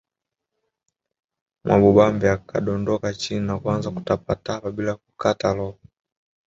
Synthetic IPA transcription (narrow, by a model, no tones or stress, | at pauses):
mʔaɓɔɓambiakʰaɗɔndɔkat͡ʃininakwanzaku̥tapataapaɓilakukatalɔpɔ